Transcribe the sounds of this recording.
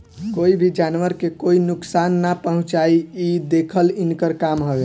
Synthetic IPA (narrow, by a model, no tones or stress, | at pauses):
koibʱid͡ʒanʋəɾkekoinʊksanːapəɦũt͡ʃaiid̪ekʰəlinkəɾkamɦobe